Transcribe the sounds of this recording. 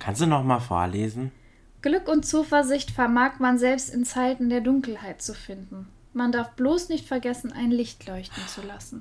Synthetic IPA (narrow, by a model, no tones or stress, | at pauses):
kʰanstd̥uːnɔχmaːlfo̰ːɐleːzn̩ | ɡ̥lʏkʊntt͡suːfɛɐzɪçtfɛɐmaːkmanzɛlpstɪnt͡saɪtn̩deːɐdʊŋkl̩haɪt̚t͡sufɪndn̩ | mandaɐfb̥loːsnɪçtfɛɐɡɛsn̩ʔa̰ɪnlɪçtʰlɔʏçtn̩t͡sulasn̩